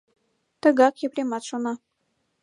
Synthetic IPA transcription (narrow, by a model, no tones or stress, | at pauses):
t̪ə̆ɡɑkjĕplʲemɑt̪ʃonɑ